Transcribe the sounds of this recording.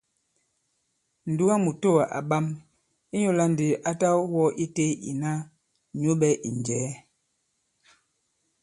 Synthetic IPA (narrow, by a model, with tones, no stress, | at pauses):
n̩˨du˦wa˦mu˨to˦˨a˨ʔa̰˨ɓa˦m | i˦ɲo˦la˦n˨di˨ʔa˦ta˦wɔ˦ʔi˦te˦ḭ˨na˦ | ɲo˦ɓɛ˦ʔi˨nd͡ʒɛː˨˦